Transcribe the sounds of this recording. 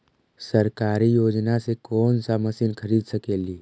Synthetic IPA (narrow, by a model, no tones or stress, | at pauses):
səɾkaːɾijoːd͡ʒnasekɔːnsaməsinkʰəɾiːd̪səkeːliː